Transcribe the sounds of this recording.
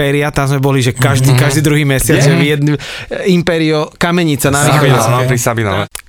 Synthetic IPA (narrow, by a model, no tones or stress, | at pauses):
ɛɾiat̪amzmɛbɔliʒɛkaʒd̪iːkaʒd̪iːd̪ɾuɦiːmɛsɪad͡zɛʋjɛd̪nimpɛːɾiɔkamɛɲit͡sanaʋixɔɛsmampɾisabinɔ̰ʋɛ̰